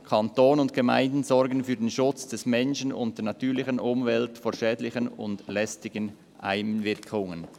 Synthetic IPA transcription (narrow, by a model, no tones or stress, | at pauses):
kʰɑntoːnʊntɡ̥əma̰ɪ̃ndn̩zɔɾɡən̩fyːɐdenʃʊt͡sd̥ɛsmɛnʃənʊ̰ntd̥ɛːɐnɑtʰyːlɪçənʔʊmvɛltfoːʃɛːdlɪçənʊ̰ndlɛstɪɡən | ha̰ɪmvɪɐkʰʊŋən